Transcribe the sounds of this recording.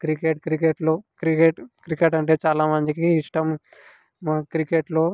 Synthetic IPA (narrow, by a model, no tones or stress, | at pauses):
kɾikeʈ̚kɾikeʈloːkɾikeʈkɾikeʈɐɳʈe̞ːt͡ʃaːlaːmɐnd͡ʒ̪ikiːʂʈɐm | kɾikeʈloː